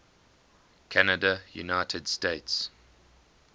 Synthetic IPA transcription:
kʰænədəjṵnaɪtʰəd̥steɪts

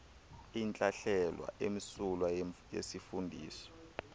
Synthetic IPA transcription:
int͡ɬʼaɬɛlwa̰ʔemisulwajḛsifundʱḭːsɔ̥

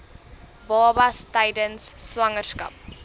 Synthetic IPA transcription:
baːbastaɪdə̃nsːwaŋəska̰p̚

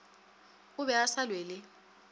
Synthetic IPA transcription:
ʊβɛasalweːlɪ

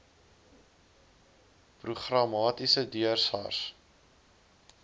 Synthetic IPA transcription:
pruχrɐmɑːtisədyərsɑ̰rs

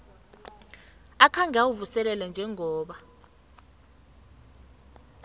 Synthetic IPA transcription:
akʰaŋawuvusɛlɛlɛnd͡ʒʱɛŋɔːɓa

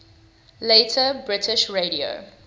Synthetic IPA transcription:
leːtʰəbɹɪtʰɪʃɹeɾio̰

